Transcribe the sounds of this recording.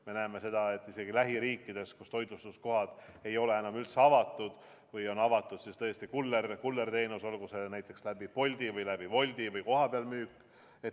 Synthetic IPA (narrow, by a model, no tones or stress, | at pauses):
me̞næeme̞se̞d̪̥ɑe̞t̪ːˑise̞ɡ̥ilæɦiɾiːkːˑid̪̥e̞skust̪o̞jd̪ust̪usko̞ɦɑd̪̥e̞jo̞le̞e̞nɑmylt̪seɑvɑt̪ːˑud̪̥ | vɯjo̞nɑvɑt̪ːˑud̪̥sist̪ɤːsʲt̪ikulːerkulːe̞rt̪e̞ːnuso̞lkuse̞næjt̪ːˑe̞kslæb̥ipo̞lʲd̪̥ivɯjlæb̥ivo̞lʲd̪̥ivɯjko̞ɦɑpeɑlmyːkːˑ | e̞t̪